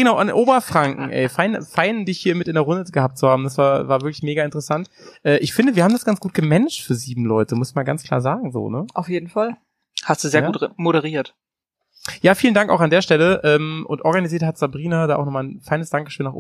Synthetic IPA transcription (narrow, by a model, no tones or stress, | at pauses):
ɡənaʊʔanʔoːbɐfʁ̥aŋkŋ̩ʔɛ̰ɪfaɪnfaɪnndɪçhiːɐmɪtɪndeːɐʁʊndəɡəhaːp̚t̚t͡suhaːbm̩dasv̥aːɐvaːɐvɪɐklɪçmeːɡaɪntəʁəsantʔɛːʔɪçfɪndəviɐhaːm̩dasɡ̥ant͡sɡ̥uːt̚ɡ̥əmɛnəʃtfyːɐziːbm̩lɔʏtəmʊsɪçmaːlɡant͡skʰl̥a̰ːɐzaːɡŋ̩zo̰ːnəʔaʊfjeːdn̩fal | hastd̥uːzeːɐɡuːtmoɾəʁiːɐt | jaːfiːlndaŋkaʊxandeːɐʃtɛləʔɛːmʔʊ̰ntʔɔɐɡaniziːɐthatz̥abʁiːnadaːʔaʊnɔχmaːlnfaɪnəsd̥aŋkə̥ʃøːnːaːχʔ